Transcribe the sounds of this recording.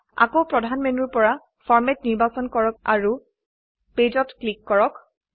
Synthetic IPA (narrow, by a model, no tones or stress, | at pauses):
a̰kowpɹɔdʱanmenuɹpɔɹa | fɔɹmɛtniɹbasɔnkɔɹɔk̚a̰ɹu | ped͡ʒɔtklikːɔɹɔk